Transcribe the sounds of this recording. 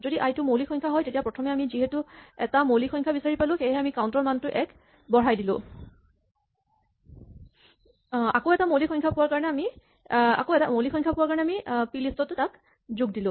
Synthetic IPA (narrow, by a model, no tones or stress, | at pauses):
zodiʔajtʊmolixʰɔjɲkʰaɦɔjtetijapɹɔtʰɔmɛamiziɦɛtʊɛtamolixʰɔjŋkʰabisaɹipalʊ̃xejɦɛamikawʊ̃ntɔɹmantʊʔɛk | bɔɹajdilʊ̰̃ | akoʊɛtamolikʰxɔjŋkʰapʊwaɹkaɹɔnɛami | a̰koɛta̰molixʰɔjŋkʰapuwaɹkaɹɔnɛamipilistɔtʊtak | zʊɡ̚dilʊ̃